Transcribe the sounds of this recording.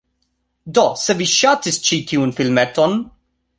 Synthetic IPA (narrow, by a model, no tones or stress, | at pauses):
d̪ɔsɛviʃaːt̪ɪst͡ʃiːt̪ʰuːnfɪlmɛt̪ɔn